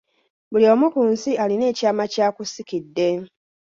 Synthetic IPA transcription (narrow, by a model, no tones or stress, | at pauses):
bulio̞mukuːnsialine̞ːcaːmacaːkusikidːe̞